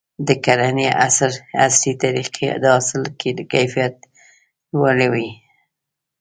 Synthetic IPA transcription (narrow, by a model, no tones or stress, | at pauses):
d̪əkaɾaneʔasaɾa̰slit̪aɾiqʰed̪əɑsɪlked̪əkajfijat̪̚ | waɽawi